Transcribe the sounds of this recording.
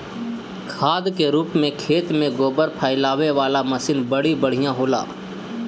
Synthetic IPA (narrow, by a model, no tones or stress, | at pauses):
kʰaːd̪keɾuːpmẽkʰeːt̪mẽɡoːbəɾpʰaːɪlaːʋeʋaːlamɐsɪnbəɽ̤ibəɽ̤ijãɦoːla̰ː